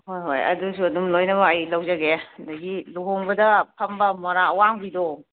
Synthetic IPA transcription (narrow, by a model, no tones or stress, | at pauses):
hojɦo̰jɐ̰dusuɐdumlojnɐbaːjlɐwzɐɡedɐɡiluɦoŋbɐdɐpʰɐmbɐmɐɾaɐwaŋbido